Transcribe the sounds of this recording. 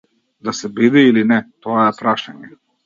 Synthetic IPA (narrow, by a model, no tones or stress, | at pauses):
d̪asɛbid̪iilinɛt̪ɔaɛpɾaʃaɲɛ